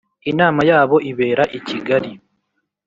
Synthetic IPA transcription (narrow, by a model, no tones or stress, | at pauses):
inaːmajaːβo̞ʔiβe̞ːɾaʔiciɡaɾi